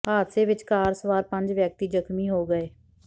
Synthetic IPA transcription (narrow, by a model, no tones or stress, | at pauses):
aːt̪seːʋɪt͡ʃkaːɾsəʋaːɾpə̃ɲd͡ʒʋjək̚t̪iːd͡ʒəkʰmiːɦoːɡəeː